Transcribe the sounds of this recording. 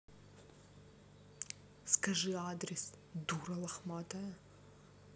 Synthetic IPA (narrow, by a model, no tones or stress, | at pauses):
skɐʐɨad̪ɾʲɪs | d̪uɾɐlˠɐxmat̪ɐjɐ